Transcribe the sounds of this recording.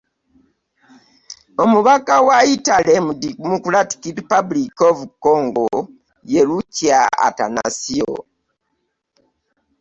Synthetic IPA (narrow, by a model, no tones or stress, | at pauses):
omuβakawaitalemudikmukulati̥kiɾipablikovukoŋɡo | jeɾuciaa̰ta̰na̰sio̰